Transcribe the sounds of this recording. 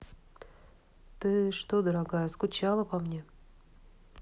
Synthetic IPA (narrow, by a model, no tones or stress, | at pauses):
t̪ɨʂt̪od̪əɾaɡajəskʊt͡ɕalˠəpɐmnʲe